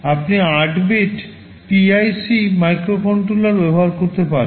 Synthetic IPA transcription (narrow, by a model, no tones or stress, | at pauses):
apniaʈbeʈ | piajsimajkɾofonʈɾulaɾbɛbɔɦaɾkoɾt̪epaɾe